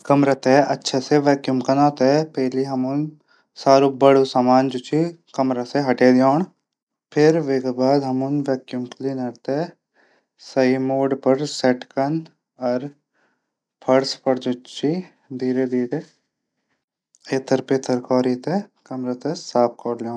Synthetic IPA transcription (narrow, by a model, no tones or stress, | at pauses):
kɐmɾat̪ɛʔɐtːʃʰaseʋɛːkjumkɐnaːt̪ɛpɛɦliɦɐmʊn | saːɾubɐɽusaːmaːnd͡ʒʊt͡ʃʰikɐmɾaseɦɐʈed̪joːɳ | pʰɪɾʋeːkbaːd̪ɦɐmʊnʋɛːkjumkliːnɐɽt̪eɛ | sɐɦimoːɖpɐɾsɛʈkɐn | ɔːɾ | pʰɐɾspɐɾd͡ʒʊt͡ʃi | d̪iːɾed̪iːɾe | eːt̪ʰəɾpeːt̪ʰəɾkɔːɾit̪ekɐmɾat̪esaːp̚ʰkɔːɾljõː